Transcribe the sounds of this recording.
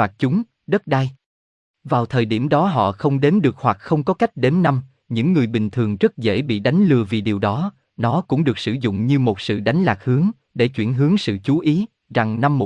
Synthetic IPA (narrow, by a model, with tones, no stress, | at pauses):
aː˨˩k̚t͡ɕʊ˨˦ŋ͡m | ɗə˦˥t̚ɗa˧j | vaː˨˩wt̪ʰəː˨˩jɗi˧˩əmɗɔ˨˦ɦɔ̰˧˨xə˧wŋ͡mɗe˨˦mɗɨ˨˩ək̚hwa˨˩k̚xə˧wŋ͡mkɔ˨˦ka˦˥jk̟̚ɗe˨˦nːa˧m | ɲɨ̰˧˥ŋːɨ˨˩əjɓï˨˩ŋ̟t̪ʰɨ˨˩əŋzə˦˥t̚zḛ˧˥ɓḭ˧˨ɗa˨˦jŋ̟lɨ˧əvi˨˩ɗi˨˩wɗɔ˨˦ | nɔ˨˦kʊ̰˧˥ŋ͡mɗɨ˨˩ək̚sɨ̰˧˩zʊ̰˧˨ŋ͡mɲɨ˧mo˨˩t̚sɨ̰˧˨ɗa˨˦jŋ̟laː˨˩k̚hɨ˨˦əŋ | ɗe˧˩t͡ɕwi˧˩ənɦɨ˨˦əŋsɨ̰˧˨t͡ɕu˨˦ʔi˨˦ | za˨˩ŋna˧mːo˨˩